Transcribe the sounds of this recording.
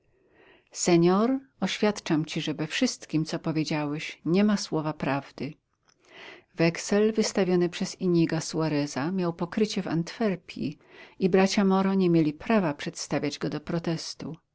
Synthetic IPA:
sɛɲɔɾɔɕfʲjat̪t͡ʂamt͡ɕiʐɛvɛfʂɘst̪kʲimt̪sɔpɔvʲjed͡ʑawɛɕɲɛmaswɔvapɾavd̪ɘ | vɛksɛlvɘst̪avʲjɔnɘpʂɛziɲiɡaswaɾɛzamʲjawpɔkɾɘt͡ɕɛva̰nt̪fɛɾpʲʰḭ | ibɾat͡ɕamɔɾɔɲɛmʲjelʲipɾavapʂɛt̪st̪avʲad͡ʑɡɔd̪ɔpɾɔt̪ɛst̪u

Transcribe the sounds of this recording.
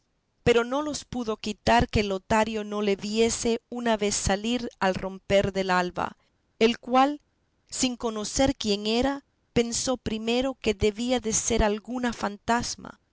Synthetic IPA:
pe̞ɾo̞no̞lo̞spuðo̞kit̪aɾkelot̪aɾjo̞no̞le̞βje̞se̞unaβe̞sːaliɾalro̞mpe̞ɾðe̞lalβa̰ | elkwal | siŋko̞no̞se̞ɾkje̞ŋe̞ɾa | pe̞nso̞pɾime̞ɾo̞ke̞ðe̞βiaðe̞se̞ɾalɡunafant̪azma̰

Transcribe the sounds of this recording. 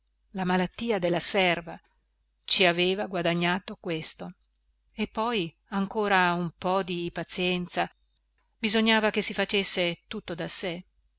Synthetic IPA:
lamalat̪ːiːad̪elːasɛrva | t͡ʃiaveːvaɡwad̪aɲːaːt̪okwest̪o | epːɔj | aŋkoːɾaumpɔd̪ipat̪sjɛnt̪sa | bizoɲːaːvakesːifat͡ʃesːet̪ut̪ːod̪ase

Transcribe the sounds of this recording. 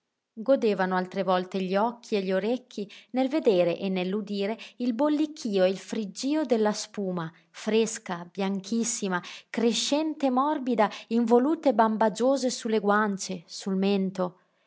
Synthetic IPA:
ɡod̪eːvanoalt̪ɾevɔlt̪eʎiɔkʰːieʎoɾɛkʰːinelved̪eːɾeʔenːelːud̪iːɾeilbolːikʰːiːoeilfɾid͡ʒːiːod̪elːaspuːma | fɾeskabjaŋkʰisːimakɾeʃːɛnt̪emɔrbid̪aiɱvoluːt̪ebambad͡ʒoːzesulːeɡwant͡ʃesulmɛnt̪o

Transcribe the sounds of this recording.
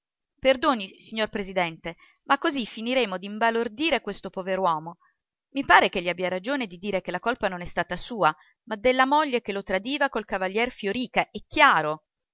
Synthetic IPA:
perd̪oːnisiɲːorpɾezid̪ɛnt̪e | makːozifːiniɾeːmod̪iɱbalord̪iːɾekwest̪opoveɾwɔːmo | mipaːɾek̟eʎːiabiaɾad͡ʒoːned̪id̪iːɾekelːakolpanonɛst̪aːt̪asuːa | mad̪ːelːamoʎːek̟elːot̪ɾad̪iːvakolkavaʎːjɛrfjoɾiːkaʔɛkːjaːɾo

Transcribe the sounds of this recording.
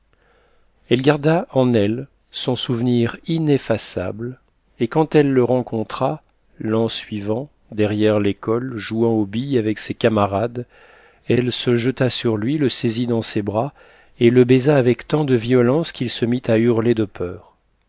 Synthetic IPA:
ɛlɡaʁd̪aʔɑ̃nɛl | sɔ̃suvniʁinefasa̰bl | ekɑ̃t̪ɛlːəʁɑ̃kʰɔ̃t̪χa | lɑ̃sɥivɑ̃ | d̪ɛʁjɛʁlekɔlʒuɑ̃obijavɛksekamaʁad̪ | ɛlsəʒət̪asyʁlɥiləsezid̪ɑ̃sebʁa | eləbezaːvɛkt̪ɑ̃d̪əviɔlɑ̃skʰʲilsəmit̪ayʁled̪əpʰœːʁ

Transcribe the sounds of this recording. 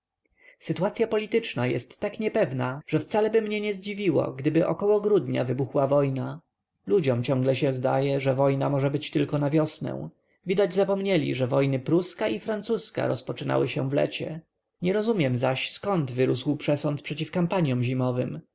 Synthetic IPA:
sɘt̪uwat̪sʲjapɔlʲit̪ɘt͡ʂnajɛ̰st̪ːakɲɛpɛvnaʐ̥ɛft̪salɛbɘmɲɛɲɛzd͡ʑivʲiwɔ̰ɡd̪ɘbɘʔɔ̰kɔwɔɡɾud̪ɲa̰vɘbuxwavɔjna | lud͡ʑɔmt͡ɕɔ̃ŋɡlɛɕɛ̃zd̪ajɛʐɛvɔjnamɔʐɛbɘt͡ɕt̪ɘlkɔnavʲjɔsnɛ̰̃w̃ | vʲid̪ad͡ʑzapɔmɲɛlʲḭʐɛvɔjnɘpɾuskaifɾant̪suska̰ɾɔspɔt͡ʂɘna̰wɘɕɛ̰̃vlɛ̰t͡ɕɛ̰ | ɲɛɾɔzumʲjɛmzaɕskɔnd̪vɘɾuswpʂɛsɔnt̪̚pʂɛt͡ɕifkampaɲjɔ̃mʑimɔvɘm

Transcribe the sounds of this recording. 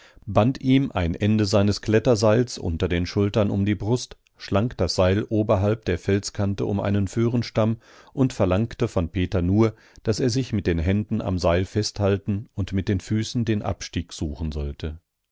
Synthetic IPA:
bantiːmʔa̰ɪnʔɛndəzaɪnəskʰl̥ɛtɐzaɪlsʔʊ̰ntɐdeːnʃʊltɐnʊ̰mdiːbʁʊst | ʃlaŋkd̥asz̥aɪlʔoːbɐɦalp̚d̥eːɐfɛlskʰantəʊmʔa̰ɪnənfyːʁənʃtam | ʔʊntfɛɐlaŋktəfɔnpʰeːtɐnuːɐ | d̥aseːɐzɪçmɪt̚d̥eːnɦɛndn̩a̰mzaɪlfɛsthaltn̩ʊntmɪt̚d̥eːnfyːsn̩deːnʔa̰pʃtiːkz̥uːχn̩zɔltʰə

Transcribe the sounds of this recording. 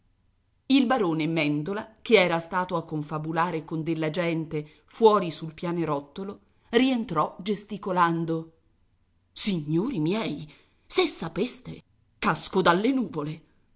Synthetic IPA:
ilbaɾoːnemɛnd̪olakeɛːɾast̪aːt̪oakːoɱfabulaːɾekond̪elːad͡ʒɛnt̪e | fwɔːɾisulpjaːnoɾɔt̪ːolo | rient̪ɾɔd͡ʒest̪ikoland̪o | siɲːoːɾimjɛj | sesːapest̪e | kaskod̪alːenuːvole

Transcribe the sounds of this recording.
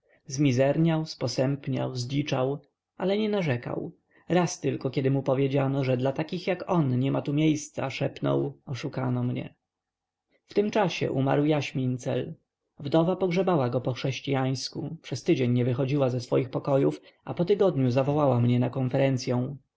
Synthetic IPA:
zmʲizɛɾɲawspɔsɛmpɲa̰wzlit͡ʂaw | ʔalɛɲɛnaʐɛka̰w | ɾast̪ɘlkɔkʲɛd̪ɘmupɔvʲjed͡ʑanɔʐɛd̪lat̪akʲixjakɔnɲɛmat̪umʲjejst̪sa̰ʂɛpnɔ̰wɔʂukanɔmɲɛ̰ | ft̪ɘmt͡ʂaɕɛ̰ʔuma̰ɾwjaɕmʲint̪sɛl | vd̪ɔvapɔɡʐɛbawaɡɔpɔxʂɛɕt͡ɕijaj̃skupʂɛst̪ɘd͡ʑeɲːɛvɘxɔd͡ʑiwazɛsfɔjixpɔkɔjuf | apɔt̪ɘɡɔd̪ɲuzavɔwawamɲɛnakɔnfɛɾɛnt̪sʲjɔ̃w̃

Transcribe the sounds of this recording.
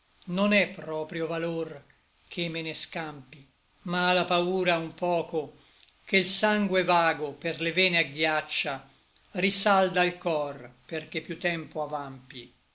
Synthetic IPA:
nonɛpːɾɔːpɾjovalor | kʰemːeneskampi | maːlapauːɾaumpɔːko | kelsaŋɡwevaːɡoperlevɛːneaɡjat͡ʃːa | risald̪ailkɔrperk̟epːjut̪ːɛmpoavampi

